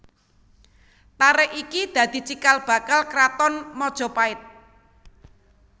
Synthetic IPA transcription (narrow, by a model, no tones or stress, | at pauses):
t̪aɾɛʔikid̪̥ä̤d̪̥i̤t͡ʃikalb̥ä̤kalkɾat̪ɔnmɔd̥ʒ̥ɔ̤paɪt̪̚